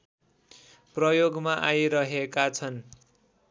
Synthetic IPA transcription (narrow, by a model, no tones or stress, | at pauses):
prʌjoɡmaʔajɾʌɦekat͡sʰʌn